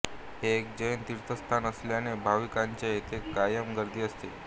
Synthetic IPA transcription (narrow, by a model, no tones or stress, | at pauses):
ɦeːkd͡ʑəjənt̪iɾt̪ʰəst̪ʰanəsljanebʱaʋikaɲt͡ɕeet̪ʰekajəmɡəɾd̪ʱiːəst̪e